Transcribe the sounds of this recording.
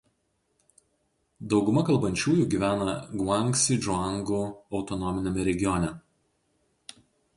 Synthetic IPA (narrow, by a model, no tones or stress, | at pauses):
d̪ɒʊɡʊmɐkɐlˠbɐnʲt͡ʃʲuːjuːˑɡʲiːʋʲæːnɐɡʋɑŋksʲid͡ʒɑŋɡuːɒʊt̪ɔnɔmʲɪnʲɛmʲɛɾʲɛɡʲɪjɔnʲɛ